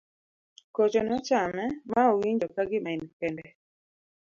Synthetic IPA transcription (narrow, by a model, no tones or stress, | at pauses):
kɔt͡ʃɔnɔt͡ʃamɛmaowiɲd͡ʒɔkaɡɪmainpɛndɛ